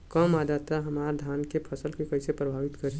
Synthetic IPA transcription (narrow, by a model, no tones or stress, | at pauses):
kəmaːd̪at̪ːaɦəmaːɾd̪ʱaːnkepʰəsəlkekəɪsepɾəbʱaːʋɪt̪kəɾi